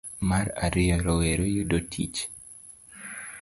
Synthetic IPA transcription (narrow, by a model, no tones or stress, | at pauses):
maɾa̰ɾɪɔɾɔweɾojudotʰḭt͡ʃ